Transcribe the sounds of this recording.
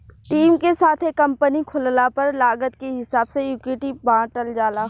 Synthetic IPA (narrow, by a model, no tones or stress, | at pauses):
ʈiːmkesaːt̪ʰekɐ̃mpənikʰʊllapɐɾlaːɡət̪keɦɪsaːbsejuːkeːʈibãːʈəld͡ʒaːlaɦ